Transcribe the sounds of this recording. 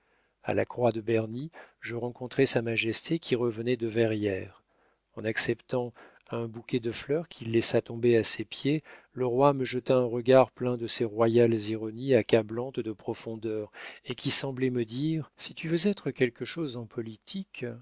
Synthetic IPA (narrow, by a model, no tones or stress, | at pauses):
a̰la̰kχwad̪əbɛʁniʒəʁɑ̃kɔ̃t̪χɛsamaʒɛst̪ʰekʲʰiʁəvənɛd̪əvɛʁjɛʁ | ɑ̃naksɛpt̪ɑ̃ | ɛ̃bukʲɛd̪əflœʁkʲʰilːɛsat̪ɔ̃beasepje | ləʁwaməʒət̪aɛ̃ʁəɡaʁplɛ̃d̪əseʁwajalziʁɔniakablɑ̃t̪d̪əpχɔfɔ̃d̪œʁekʲisɑ̃blɛməd̪iʁsit̪yvøzɛt̪χəkʲɛlkəʃozɑ̃pʰɔlit̪ʰik